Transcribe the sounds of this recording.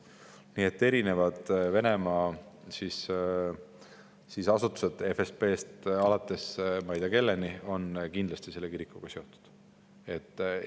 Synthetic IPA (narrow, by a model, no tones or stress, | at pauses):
niːe̞t̪ːe̞ɾine̞vɑd̪̥ve̞nemɑːsis | sisɑsut̪ːˑu̥se̞d̪̥e̞fespe̞ːst̪ɑlɑt̪ːˑe̞smɑjd̪̥ɑke̞lːenio̞nkind̪lɑst̪ise̞lːe̞kiɾikːˑuɡ̥ɑseo̞t̪ːu̥d̪̥ | e̞t̪ˑː